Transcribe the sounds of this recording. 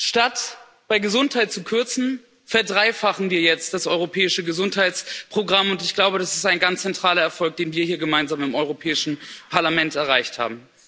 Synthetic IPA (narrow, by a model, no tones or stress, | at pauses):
ʃtat | b̥aɪɡəzʊnthaɪt̚t͡sukʰʏɐt͡sn̩ | fɛɐdʁaɪfaχn̩viːɐjɛt͡st̚d̥asʔɔʏʁopʰɛːɪʃəɡəzʊnthaɪt͡spʁ̥oɡʁamʊntɪçɡ̥laʊbəɾasɪ̥staɪnɡant͡st͡sːɛntʁ̥aːlɐɛɐfɔlk̚d̥eːnviːɐhiːɐɡəmaɪnzaːmɪmɔʏʁ̞opʰɛːɪʃn̩pʰaɐlamɛntɛɐʁ̞aɪçtha̰ːbm̩